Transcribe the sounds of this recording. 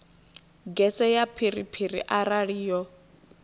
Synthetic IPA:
ɡɛsɛjapʰiripʰirḭʔaɾaɺiːjɔ

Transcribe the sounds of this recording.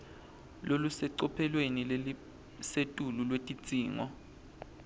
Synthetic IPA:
lolusɛǀɔpʰɛlwenilei | setʼululwetʼit͡sʼiːŋɔ

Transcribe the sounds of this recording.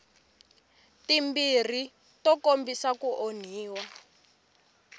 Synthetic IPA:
timbir̤i | tɔkombisakuʔon̤iːwa

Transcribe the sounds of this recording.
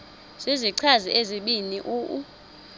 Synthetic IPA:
z̥iziǀʰaziʔeziɓiniʔuːʔu

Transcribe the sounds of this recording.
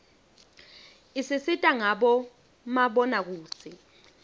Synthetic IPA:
isisitʼaŋaɓɔ | maɓɔnak̬uːsi

